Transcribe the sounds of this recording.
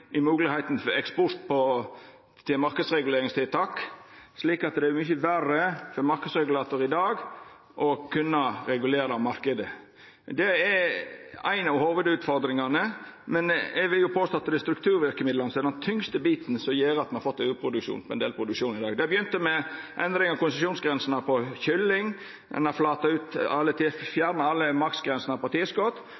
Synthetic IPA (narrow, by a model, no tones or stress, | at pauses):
ʔɪmʉːɡlɪhæɪt̪n̩fɛkspʊst̪pʰɔ | t̪ʰɪlmɑɾkəd̪sɾɛɡʉleːɾɪŋst̪ʰɪlt̪ʰɑːksliːkɑt̪d̪ɛɛmyçəʋæɾəfɔɾmɑɾkəd̪sɾɛɡʉlɑːt̪ʊɾɪd̪ɑːɡ | ʔɔkʰʉnːɑɾɛɡʉleːɾɑmɑɾkəd̪ə | d̪ɛɛ | æ̰ɪnɑʋhoːʋəd̪ʉːt̪fɔɾd̪ɾɪŋɑnəmɛnɛʋɪljʊpʰoːst̪ɑt̪ːəd̪ɛst̪ɾʉk̚t̪ʰʉːɾʋɪɾkəmɪd̪lɑnəsɔɛd̪ɛnt̪ʰʏŋst̪əbiːt̪n̩sɔmjiːɾɑt̪mɛnɑfɔt̪ːʉːpʰɾʊd̪ʉkʃṵːnpʰɔɛnd̪eːlpʰɾʊd̪ʉkʂuːnɪd̪ɑːɡd̪ɛbəjʏnt̪əmɛʔɛnd̪ɾɪŋɑkʊnsəsjuːnsɡɾɛnsənɑpʰɔçʏlːɪŋ | d̪ɛ̰nɑflɑːt̪ɑʉːt̪ɑlːət̪ʰifjæːɾnɑɑlːəmɑkt̪sɡɾɛnsənəpɑɾt̪ʰiːəskɔt̪ː